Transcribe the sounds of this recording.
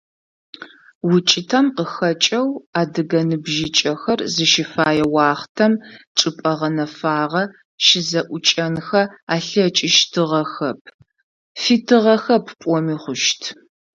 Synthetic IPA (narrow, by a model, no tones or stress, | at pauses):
wʊt͡ʃʼɪtʰɐmqəxɐt͡ʃʼɐwaːdɨɡɐnɨbʒɪt͡ʃʼɐxɐrzɨʃɪfaːjɛwɑːχtʰɐmʈ͡ʂʼɨpʼɐʁɐnɐfaːʁɐ | ʃɪzɐʔʷʊt͡ʃʼɐnxɐaːɬɐt͡ʃʼɪʃtʰɨʁɐxɐp̚ʰ | fitʰɨʁɐxɐpʰpʷʼɔmiːχʷʊʃtʰ